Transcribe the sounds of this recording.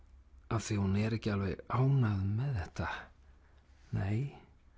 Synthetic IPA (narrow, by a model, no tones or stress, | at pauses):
avθvihunɛɾɛhcɪalvɛɾaːwnaðmɛðθɛht̪a | neːj